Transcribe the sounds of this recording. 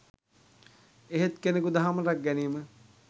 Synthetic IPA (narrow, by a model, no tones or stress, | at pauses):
eɦet̪kenekud̪aɦaməɾak̚ɡɛniːmə